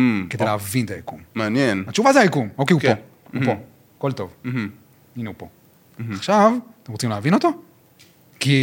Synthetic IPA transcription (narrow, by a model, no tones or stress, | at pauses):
kedejleavint̪ajakummanjenat͡ʃuvazeajakumokeuko | upo | kolt̪o̞vh | inupo | aχʃavt̪emʁot͡simleavinot̪o | ki